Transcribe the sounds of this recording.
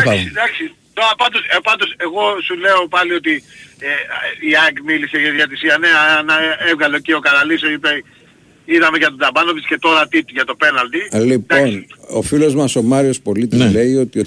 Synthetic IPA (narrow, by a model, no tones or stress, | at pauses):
ɐsid̪ɐksi | t̪oɾɐpɐnd̪o̞spɐnd̪ose̞ɣo̞sule̞o̞pɐlio̞t̪ieiɐkmiliseʝɐiðiɐt̪isiɐne̞aɐnɐe̞vɣɐlo̞cio̞kɐnɐlisoipei | iðɐme̞ʝɐt̪od̪ɐbɐnovisce̞t̪o̞ɾɐt̪it̪uʝɐt̪o̞pe̞nɐlt̪ilip̪ao̞sniofilo̞zmɐso̞mɐɾio̞spo̞lit̪izle̞io̞t̪i